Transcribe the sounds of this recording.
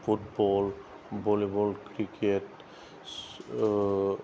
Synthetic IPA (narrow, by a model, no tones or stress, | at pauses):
pʰutbɔl | bolebɔlkɾiket